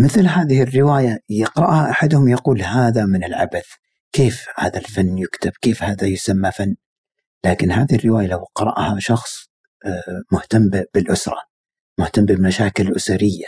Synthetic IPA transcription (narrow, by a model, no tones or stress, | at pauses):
mɪθlɦaːðɪhɪrːɪwaːjajɑqɾˤɑʔhaʔaħad̪hʊmjɑquːlhaːðamɪnɪlʕa̰baθ | keːfha̰ːðalfanːjʊkt̪ɪb̥keːfhaːðajʊsamːafanː | laːkɪnɦaːðɪhɪrːɪwaːjalawqɑɾˤɑ̰ʔhaʃɑxsˤ | mʊht̪ambb̥ɪlʔʊsɾˤɑ̰ | mʊht̪ambɪmaʃaːkɪllʔʊsaɾɪjːa